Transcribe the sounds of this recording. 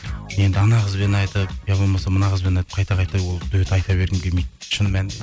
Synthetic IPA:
je̞nd̪ɪɑnɑʁəzbe̞nɑjt̪əp̚jɑbolˠmɑsɑmənɑʁəzbenɑjt̪ə̥p̚qʰɑjt̪ɑqʰɑjt̪ɑwolˠd̪ʊwet̪ɑjt̪ɑbe̞ɾɡɪmɡʲemejt̪̚ʃənmæn

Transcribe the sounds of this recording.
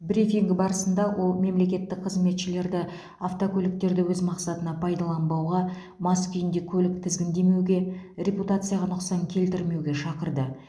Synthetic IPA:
bɾifiŋɡbɑɾəsənd̪ɑwʔo̞lˠme̞mle̞kʲe̞t̪ːɪk̚qʰəzme̞t̪ʃɪle̞ɾd̪ɪ | aft̪okʲʰɵlɪk̚t̪e̞ɾd̪ɪwɵzmɑqsɑt̪ənɑpʰɑjd̪ɑlˠɑnbɑwʁɑ | mɑskʲʰʏjɪnd̪e̞kʲʰɵlɪk̚t̪ʰɪzɡʲɪnd̪e̞me̞wɡʲe̞ɾʲe̞put̪at̪sɨjaʁɑnʊqsɑŋkʲʰe̞lt̪ɪɾme̞wɡʲe̞ʃɑqəɾd̪ə

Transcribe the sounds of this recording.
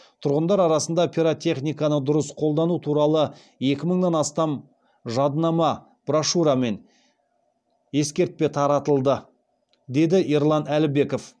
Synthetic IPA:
t̪ʰʊɾʁənd̪ɑɾɑɾɑsənd̪ɑpʲʰiɾot̪ʲʰe̞χnijkɑnəd̪ʊɾəsqʰo̞lˠd̪ɑnut̪ʰuɾɑlˠə | je̞kʲɪməɴnɑnɑst̪ɑm | ʒɑd̪nɑmɑ | b̥raʃuɾɑme̞n | je̞skʲe̞ɾt̪̚pe̞t̪ʰɑɾɑt̪əlˠd̪ə | d̪e̞jd̪ɪʔiɾlˠɑnælɪbe̞ko̞f

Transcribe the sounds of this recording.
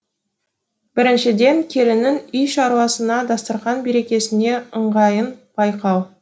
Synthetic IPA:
b̥ɪɾɪnʃɪd̪e̞ŋkʲʰe̞lɪnɪnʏjʃɑɾuɑsənɑd̪ɑst̪əɾʁɑnbe̞ɾe̞kʲe̞sɪne̞əɴʁɑjənb̥ɑjqɑw

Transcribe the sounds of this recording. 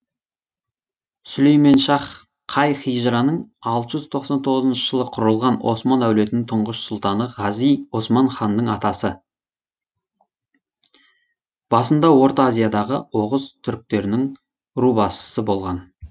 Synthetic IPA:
sʏle̞jme̞nʃɑχ | qʰɑjχijʒɾɑnəɴɑlˠt̪əʒʏzt̪ʰo̞qsɑnt̪ʰo̞ʁəzənʃəʒ̥əlˠəqʰʊɾəlˠʁɑnʔo̞̰smɑnæwle̞t̪ɪnɪŋt̪ʰʊɴʁəʃsʊlˠt̪ɑnəʁɑzijo̞smɑnχɑnːəɴɑt̪ɑsə | b̥ɑsənd̪ɑwo̞ɾt̪azʲijad̪ɑʁəo̞ʁəzt̪ʰʏɾk̚t̪e̞ɾnɪŋ | ɾubɑsə̥səbo̞lˠʁɑn

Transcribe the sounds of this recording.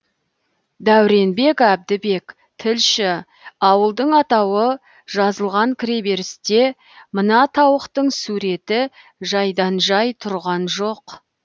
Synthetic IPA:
d̪æwɾe̞nbe̞kæb̚d̪ɪbe̞k | t̪ʰɪlʃɪ | ɑwəlˠd̪əɴɑt̪ɑwə | ʒɑzəlˠʁɑŋkʲʰɪɾe̞be̞ɾɪst̪e̞ | mənɑt̪ʰɑwəqt̪əɴsuɾe̞t̪ɪ | ʒɑjd̪ɑnʒɑjt̪ʰʊɾʁɑnʒo̞q

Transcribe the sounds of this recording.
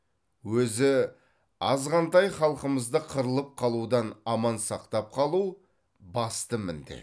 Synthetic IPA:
wɵzɪ | ɑzʁɑnt̪ɑjχɑlˠqəməzd̪əqʰəɾəlˠəp̚qʰɑlˠud̪ɑnɑmɑnsɑqt̪ɑp̚qʰɑlˠuw | bɑst̪əmɪnd̪ɪ̰

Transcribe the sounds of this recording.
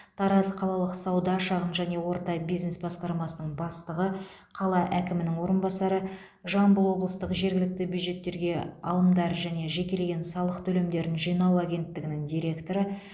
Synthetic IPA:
t̪ʰɑɾɑzqʰɑlˠɑlˠəqsɑwd̪ɑʃɑʁənʒæne̞wo̞ɾt̪ɑbijzne̞sbɑsqɑɾmɑsənəɴbɑst̪əʁə | qʰɑlˠɑʔækʲɪmɪnɪŋwo̞ɾənbɑsɑɾə | ʒɑmbəlˠwo̞blˠəst̪əqʒe̞ɾɡʲɪlɪk̚t̪ɪbʲjud̪ʒe̞t̪ːe̞ɾɡʲe̞ɑ̰lˠəmd̪ɑɾʒæne̞ʒe̞kʲe̞leɡʲe̞nsɑlˠəqt̪ʰɵle̞md̪e̞ɾɪnʒijnɑwæɡʲe̞nt̪ːɪɡʲɪnɪŋd̪ʲijɾʲe̞kt̪o̞ɾə

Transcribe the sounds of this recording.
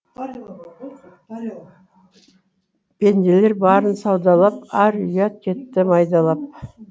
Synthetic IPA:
b̥e̞nd̪ele̞ɾbɑɾənsɑwd̪ɑlˠɑp̚æɾʏjɑt̪̚kʲʰe̞t̪ːɪmɑjd̪ɑlˠɑp̚

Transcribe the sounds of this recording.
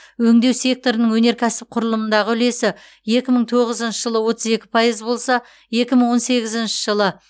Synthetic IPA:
wɵŋd̪e̞wse̞k̚t̪o̞ɾənəŋwɵne̞ɾkʲʰæsɪp̚qʰʊɾəlˠəmənd̪ɑʁəʏle̞sɪ | je̞kʲɪməɴt̪ʰo̞ʁəzənʃəʒ̥əlˠəwo̞t̪əze̞kʲɪ̥pʰɑjəzbo̞lˠsɑ | je̞kʲɪməɴwo̞nse̞ɡʲɪzɪnʃɪ̥ʒəlˠə

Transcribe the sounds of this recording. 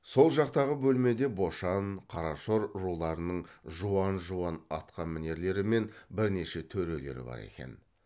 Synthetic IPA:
so̞lˠʒɑqt̪ɑʁəbɵlme̞d̪e̞bo̞ʃɑnqʰɑɾɑʃoɾɾulˠɑɾənəɴʒuɑnʒuɑnɑt̪qʰɑnmɪne̞ɾle̞ɾɪme̞nbɪɾne̞ʃe̞t̪ʰɵɾe̞le̞̰ɾɪ̰bɑ̰ɾḛkʲe̞̰n

